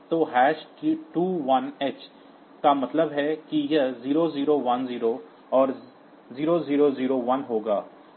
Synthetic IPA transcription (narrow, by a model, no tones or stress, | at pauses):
t̪oːɦɛːʃkiʈuːʋɐneːt͡ʃ | kamɐt̪ləbɦɛkijɐɦziːɾoziːɾoʋɐnziːɾo | ɔːɾ | ziːɾoziːɾoziːɾoʋɐnɦoːɡaː